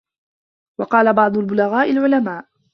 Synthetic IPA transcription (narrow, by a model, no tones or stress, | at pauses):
wɑqɑːlabɑʕd̪ˤʊlbʊlaɣaːʔɪlʕʊlamaːʔ